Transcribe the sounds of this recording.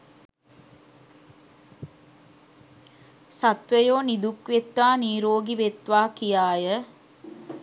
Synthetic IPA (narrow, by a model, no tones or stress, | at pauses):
sat̪ʋəjoːnid̪ukʋet̪ʋaːniːɾoːɡiʋet̪ʋaːkijaːjə